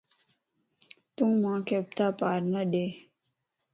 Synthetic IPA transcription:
t̪ummãːkep̚t̪aːpaːɾnəɖeː

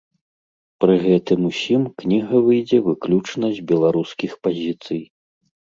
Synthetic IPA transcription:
pɾɨɣɛt̪ɨmusʲimknʲiɣɐvɨjd͡zʲɛvɨklʲut͡ʂnɐzʲd͡zʲbʲɛlˠaɾuskʲixpazʲit̪sɨj

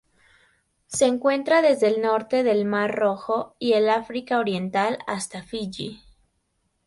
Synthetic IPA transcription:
se̞ːŋkwe̞nt̪ɾaðe̞zðe̞ːlno̞ɾt̪e̞ðe̞lmaɾro̞xo̞ielafɾikaoɾje̞nt̪alast̪afiʝi

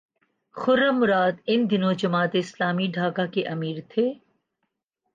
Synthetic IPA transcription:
xʊɾəmʊɾaːd̪ɪnd̪ɪnõd͡ʒɐmaːt̪eɪslaːmiɖʱaːkakeʔɐmiːɾt̪ʰeː

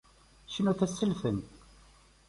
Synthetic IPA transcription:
ʃənuθæsːəlfən

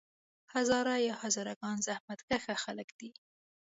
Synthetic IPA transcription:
hazɑɾajɑhɑzɪɾaɡɑnzahmat̪kaxaxaləkd̪̥i

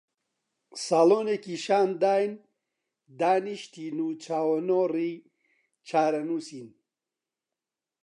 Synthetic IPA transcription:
saːlonekiʃaːnd̪aːjn | d̪aːniʃt̪ʰinut͡ɕʰaːwɐnoːɾi | t͡ɕʰaːɾɐnusin

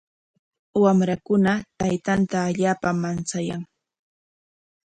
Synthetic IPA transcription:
wamɾakʊnat̪ajt̪ant̪aːʎaːpamant͡sajaŋ

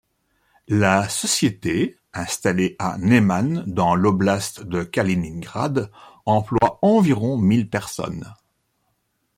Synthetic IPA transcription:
lasɔsjet̪e | ɛ̃st̪aleʔa̰nemand̪ɑ̃lɔblast̪d̪əkaliniŋɡʁa̰d̪ɑ̃plwaɑ̃viʁɔ̃milpɛʁsɔ̰n

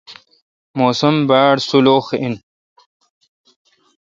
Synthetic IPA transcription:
moːsɐmbaːɽsuloːxin

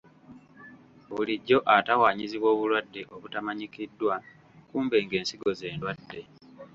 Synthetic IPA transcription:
βuliɟːo̞ʔatawaːɲiziβwo̞ːβulwadːe̞ʔo̞βutamaɲikidːwa | kuːmbe̞ːŋɡe̞ːnsiɡo̞ze̞ːndwadːe̞

